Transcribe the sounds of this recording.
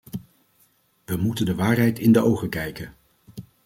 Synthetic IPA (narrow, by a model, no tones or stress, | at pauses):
ʋəmutəndəʋaːɹɦɛjtɪndəowχəkɛjkən